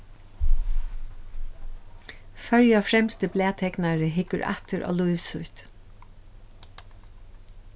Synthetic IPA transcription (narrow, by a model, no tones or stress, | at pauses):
fœɹjafɾɛmst̪əblɛːt̪ʰɛknaɹəɦɪkəɹʔa̰t̪əɹʔɔ̰ːluʏʋsʊht̪